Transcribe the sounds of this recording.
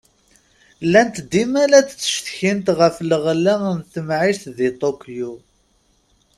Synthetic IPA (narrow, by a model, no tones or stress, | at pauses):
lːænt̪d̪imælæt͡sːə̥ʃθçint̪ʁəfləʁlːænθəmʕisθðit̪ˤokju